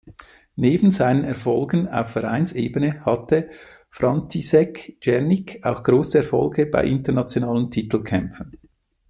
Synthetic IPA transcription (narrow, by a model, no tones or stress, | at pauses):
neːbn̩zaɪnənɛʁfɔlɡəna̰ʊfːɛʁa̰ɪnseːbənəhɑtə | fʁɑntʰisɛkd͡ʒɛʁnɪkʰaʊxɡ̥ʁoːsəɛʁfɔ̰lɡəba̰ɪʔɪntənɑt͡sjonaːləntʰitl̩kʰɛmfən̩